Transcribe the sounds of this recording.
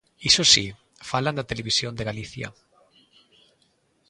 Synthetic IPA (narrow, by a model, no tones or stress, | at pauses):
isosi | faland̪at̪eleβ̞isjond̪eɣaliθja̰